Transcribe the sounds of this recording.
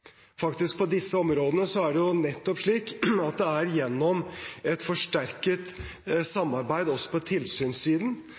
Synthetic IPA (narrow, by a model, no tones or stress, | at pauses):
fɑkt̪ɪsk̚pʰɔd̪ɪsːəɔmɾoːd̪ənəsɔæɖɛjʊnɛt̪ːɔpʂɭiːkɑt̪̚d̪ɛæɾjɛnːɔmɛt̪fɔʂʈæɾkət̪sɑmːɑɾbæɪd̪ɔsːɔ̥pʰɔt̪ʰɪlsyːnsiːd̪n̩